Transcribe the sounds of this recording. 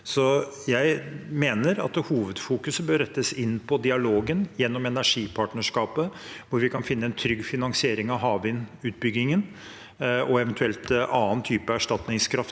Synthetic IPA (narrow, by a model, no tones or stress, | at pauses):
sɔ | jæɪmeːnəɾɑ̰t̪huːʋəd̪fuːkʉsəbøːɾɛt̪ːəsɪnːpʰɔd̪ɪɑloːɡənjɛnːɔmɛnæʂiːpʰɑʈɳəʂkɑːpəʋʊɾʋɪkʰɑnfɪnːəɛnt̪ʰɾʏɡːfɪnɑŋsɪeːɾɪŋɑʋɦɑːʋɪnʉːt̪̚bʏɡːɪŋən | ɔɛʋənt̪ʰʉɛlt̪ɑːənt̪ʰyːpəæʂʈɑt̪nɪŋskʰɾɑft̪